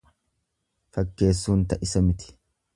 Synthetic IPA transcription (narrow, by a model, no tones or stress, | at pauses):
fɐkːe̞ːsːuːnt̪ɐʔɪsɐmɪt̪ɪ̥